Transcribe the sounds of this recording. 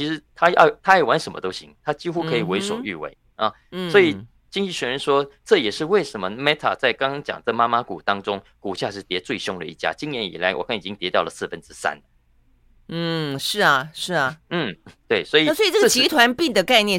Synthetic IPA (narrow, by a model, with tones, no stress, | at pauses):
t͡ɕʰi˧˥ʂɻ̩˧˥t̪ʰa˥jɑ̰˥˩t̪ʰa˥a˨˩wa˧˥nʂə˧˥nmə̰˧t̪o˥ʊɕḭ˧˥ŋt̪ʰa˥t͡ɕi˥xu˥kʰɤ˧˥i˨˩we˧˥ɪʂwo˨˩y̰˥˧wḛ˧˥˩ɪ | ɐ˥˩ | swɔ˧˥i˨˩ | t͡ɕi˥ŋt͡ɕi˥˩ɕɥɛ˧˥ɻə˧˥nʂwɔ˥ʈ͡ʂɤ˥˩jɛ˨˩ʂɻ̩˥˧we˥˩ɪʂə˧˥mə˧mɛ˥t̪ʰa̰˨˩t͡sa˥˩ɪkɑ˥ŋt͡ɕjɑ̰˨˩ŋt͡sə˥˩ma˥ma˥ku˨˩t̪ɑ˥ŋʈ͡ʂʊ˥ŋ | ku˨˩ɕja˥˧ʂɻ̩˥˩t̪jɛ˧˥t͡swe˥˩ɪɕjʊ˥ŋd̪ə̰˨ḭ˥˩t͡ɕja̰˥t͡ɕi˥njɛ˧˥nḭ˨˩la˧˥ɪwɔ̰˨˩kʰa˥˩ni˨˩t͡ɕi˥ŋt̪jɛ˧˥t̪jɑ˥˩ʊlə˩sɹ̩˥˩fə˦nʈ͡ʂɻ̩˥sa̰˦˥nlə˨ | n̩˥˩ʂɻ̩˥˩ɐ˩ʂɻ̩˥˩ɐ˨˩n̩˥˩t̪we˥˩ɪswɔ˧˥i˨˩sɔ˥i˨˩ʈ͡ʂə˥ɡt͡ɕii˧˥t̪ʰwa˧˥npi˥˩ŋd̪ə˩ka˥˧ɪnjɛ˥˨